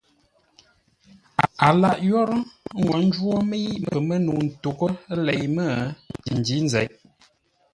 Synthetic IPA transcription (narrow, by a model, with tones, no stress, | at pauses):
a˨a˨la˦ʔjɔ˦ɾŋwa˨n̩˦d͡ʒwo˦mi˦mə˨mə˦nu˨n̩˨to˨kə˦lɛ˨jmə˦˨ti˨n˨di˦n̩˦zɛ˨˦j